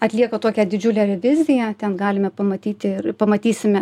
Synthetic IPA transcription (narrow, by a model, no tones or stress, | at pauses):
ɐt̪ʲlʲiɛkot̪oːkʲɛd̪ʲɪd͡ʒʲʊlʲɛɾʲɛʋʲɪzʲɪjɛt̪ʲɛnɡɑːlʲɪmʲɛpɐmɐt̪ʲiːt̪ʲɪɪrpɐmɐt̪ʲiːsʲɪmʲɛ